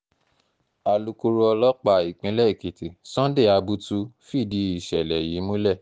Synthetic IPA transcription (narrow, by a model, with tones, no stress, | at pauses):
a˨lu˧ku˧ɾu˧ɔ˧lɔ˦k͡pa˦˨i˨k͡pĩ˨˧˦lɛ˦i˨ki˨ti˨sɔ̃˦de˦˨a˧bu˧tu˧fi˦˨di˨˧i˨ʃɛ˨lɛ˨ji˨˦mũ˦lɛ˦˨